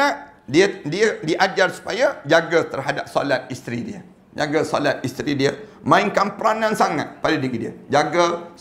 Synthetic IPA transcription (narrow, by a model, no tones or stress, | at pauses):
aʔdiədiədiʔad͡ʒarsu̥pajad͡ʒaɡət̪ərɦadap̚so̰lat̪̚ist̪ɾidiə | d͡ʒaɡasolat̪̚ist̪ɾidiəmãɪŋkanpəɾanãnsaŋa̰t̪̚padadiɡidiə̰d͡ʒaɡə